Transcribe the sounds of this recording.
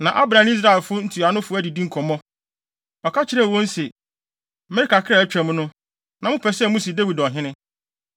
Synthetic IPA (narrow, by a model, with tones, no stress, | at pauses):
nã˨ʔa˦bɾã˨n˦i˦s̬ɾa˦ɛ˨lfʊ˦n̩˦tʰu˨a˨nʊ̃˦fʊ˦æ˦di˨dĩ˦ŋ̩˦kʰɔ˨mɔ̃˦ | ɔ˨kʰa˦t͡ɕʰɪ˨˦ɾɛ˦˨wɔ̃˦n̩˦se˨ | mɛ˦ɾɪ˦ka˨kʰɾa˦˨˦t͡ɕᶣɾɛ̃˨mʊ̃˦nʊ̃˦ | nã˨mʊ̃˦pʰɛ˨sɛ˦mʊ̃˦si˨dæ˦wi˨dɔ˨ɦɪ̃˦nɪ̃˦